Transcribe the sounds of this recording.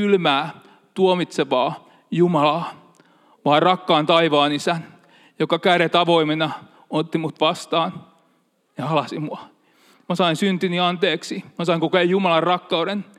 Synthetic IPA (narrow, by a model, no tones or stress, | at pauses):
ylmæː | t̪uomit̪seʋɑː | jumɑlɑː | ʋɑːrɑkːɑːnt̪ɑiʋɑːnisæn | jokɑkæɾet̪ɑʋoimenɑ | ot̪ːimut̪ʋɑst̪ɑːn | jɑhɑlɑsimuɑ | mɑsɑinsynt̪iniɑnt̪eːksimɑsɑiŋkokeːjumɑlɑrrɑkːɑuɾen